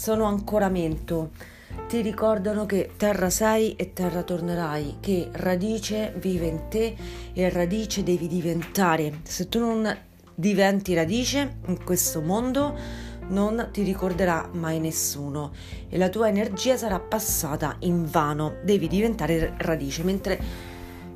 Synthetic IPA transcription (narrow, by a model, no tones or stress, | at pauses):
soːnoaŋkoːɾament̪o | t̪iɾikɔrd̪anoket̪ːɛrːasɛjʔet̪ːɛrːat̪orneɾajk̟erad̪iːt͡ʃeviːveint̪eːrad̪iːt͡ʃed̪ɛːvid̪ivent̪aːɾeset̪ːunon | d̪ivɛnt̪iɾad̪iːt͡ʃeiŋkwest̪omond̪onont̪iɾikord̪eɾamːajnesːuːno | ḛlat̪uːaenerd͡ʒiːasaɾapːasːaːt̪a̰ʔiɱvaːnod̪ɛːvid̪ivent̪aːɾerad̪iːt͡ʃement̪ɾe